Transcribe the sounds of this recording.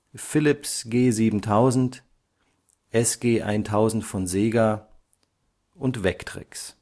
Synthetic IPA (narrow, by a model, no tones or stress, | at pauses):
fɪlɪpsɡ̥eːziːbm̩tʰaʊzn̩t | ʔɛsɡ̥eːʔa̰ɪntʰaʊzn̩tfɔnzeːɡa | ʔʊntv̥ɛktʁ̥ɪ̰ks